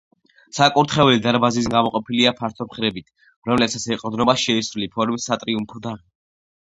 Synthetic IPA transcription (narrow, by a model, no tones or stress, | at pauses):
sakʼuɾt̪ʰχɛulid̪aɾbazis̬ɡamɔqʼɔpʰiliapʰaɾt̪ʰɔmχɾɛbit̪ʰ | ɾɔmlɛpsat̪siqʼɔd̪nɔbaʃɛisɾulipʰɔɾmisːat̪ʼɾiumpʰɔd̪a